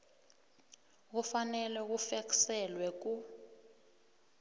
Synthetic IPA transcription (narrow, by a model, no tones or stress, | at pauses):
k̬ufanɛlɛk̬ufeksɛlwɛk̬u